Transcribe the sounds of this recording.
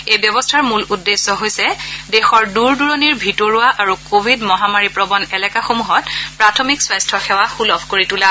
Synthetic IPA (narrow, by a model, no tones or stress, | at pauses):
ejbjɔbɔstʰaɹmuludːesːɔɦojsɛdɛxɔɹduɹduɹɔniɹbʱitɔɹuaʔaɹukobʱidmɔɦamaɹipɹɔbɔnɛlɛkaxomuɦɔtpɹatʰɔmikswajstʰɔxɛwaxulɔbʱkoɹitula